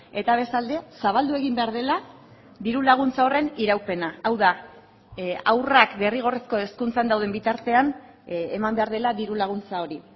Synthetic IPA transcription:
e̞t̪aβ̞e̞st̪ald̪e̞saβ̞ald̪ue̞ɣimbe̞aɾðe̞la | ðiɾulaɣ̞unt͡sao̞re̞niɾawpe̞naawða | awrakbe̞riɣ̞o̞resko̞e̞skunt͡sand̪awð̞embit̪aɾt̪e̞an | emambe̞aɾð̞e̞laðiɾulaɣ̞unt͡sao̞ɾi

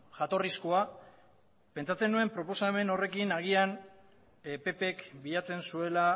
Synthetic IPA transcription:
ʝat̪o̞riskoa | pe̞nt͡sat͡se̞nue̞mpɾo̞po̞same̞no̞re̞kinaɣ̞ian | pe̞pe̞kbiʎat͡se̞nsue̞la

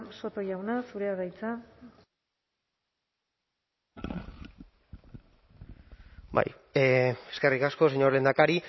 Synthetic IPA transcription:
so̞t̪o̞jawnasuɾeaɣajt͡sa | ba̰j | eske̞rikasko̞seɲo̞ɾlend̪akaɾi

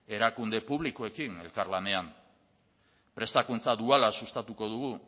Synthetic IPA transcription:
e̞ɾakund̪e̞puβliko̞e̞kine̞lkaɾlane̞am | pɾe̞st̪akunt͡saðualasust̪at̪uko̞ð̞uɣ̞u

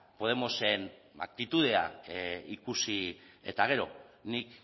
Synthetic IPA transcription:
po̞ð̞e̞mo̞se̞n | a̰k̚t̪it̪uð̞e̞a̰ikusie̞̰t̪aɣ̞e̞ɾo̞̰nik

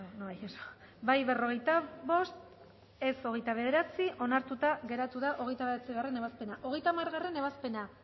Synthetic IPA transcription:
noajeso̥bajβe̞ro̞ɣ̞e̞jt̪aβo̞st̪ | e̞so̞ɣejt̪aβ̞e̞ð̞e̞ɾat͡siʔo̞naɾt̪ut̪aɣe̞ɾat̪uðaʔo̞ɣ̞e̞jt̪aβeeat͡siɣare̞neβaspe̞naʔo̞ɣ̞e̞jt̪amaɾɣare̞ne̞βaspe̞na

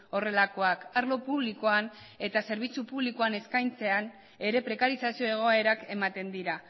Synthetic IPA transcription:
o̞re̞lako̞akaɾlo̞puβliko̞an | e̞t̪ase̞ɾβ̞it͡supuβlikoane̞skajnt͡se̞an | e̞ɾe̞pɾe̞kaɾisasio̞e̞ɣ̞o̞e̞ɾake̞mat̪e̞nd̪iɾa

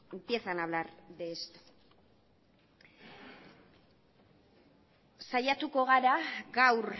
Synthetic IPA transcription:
piesanaβlaɾd̪est̪ | sajat̪uko̞ɣ̞aɾaɣawɾ

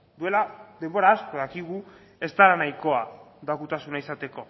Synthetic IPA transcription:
d̪ue̞lad̪e̞mbo̞ɾaːsko̞ðakiɣ̞u | e̞st̪alanajko̞ad̪akut̪asunaisat̪e̞ko̞

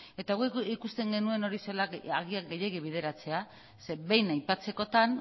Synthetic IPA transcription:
e̞t̪aɣuikust̪e̞ŋɡe̞nue̞no̞ɾiselaaɣiaɡeje̞ɣiβ̞iðe̞ɾat͡se̞a | se̞βe̞jnajpat͡se̞ko̞t̪an

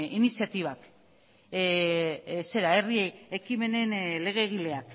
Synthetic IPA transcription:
inisiat̪iβ̞ak | se̞ɾae̞rieekime̞ne̞nle̞ɣ̞e̞ːɣ̞ile̞ak

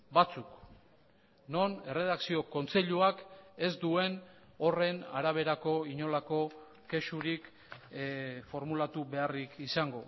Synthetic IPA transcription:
bat͡suk | no̞ne̞re̞ðaksio̞ko̞nt͡se̞ʎuake̞zd̪ue̞n | o̞re̞naɾaβ̞e̞ɾako̞iɲo̞lako̞ | ke̞suɾik | fo̞ɾmulat̪uβe̞arikisaŋɡo̞

